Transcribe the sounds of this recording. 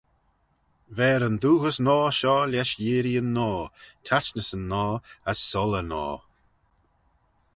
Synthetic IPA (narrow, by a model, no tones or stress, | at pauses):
vɛːɾənd̪uːhəsnɔːʃɔːlʲɛʃjiːɾiənːɔːtʰat͡ʃnəsənːɔːəsːɔlənɔ̰ː